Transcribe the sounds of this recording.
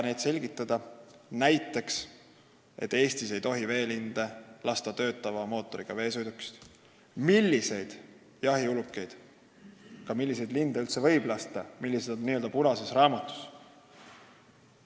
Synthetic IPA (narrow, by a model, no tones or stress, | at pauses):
ne̞jd̪se̞lʲɡ̥it̪ːˑɑd̪̥ɑnæjt̪ːˑe̞ks | ʔe̞̰t̪ːe̞ːst̪ise̞jt̪o̞ɦive̞ːlind̪̥elɑst̪ɑt̪ø̞ːt̪ːˑɑvɑmo̞ːt̪ːˑo̞ɾiɡ̥ɑve̞ːsujd̪ukːˑi̥st̪ | milʲːise̞jd̪̥ | jɑɦiulukːˑe̞jd̪̥ | kɑmilːise̞jd̪lind̪eylt̪sevɤ̞jb̥lɑst̪ɑmilːise̞d̪̥onnːiːøld̪ɑpuɾɑsesrɑːmɑt̪ːˑu̥s